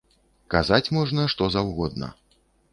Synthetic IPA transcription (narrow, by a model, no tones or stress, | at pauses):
kazat͡sʲmɔʐnɐʂt̪ɔzawɣɔd̪̚nɐ̰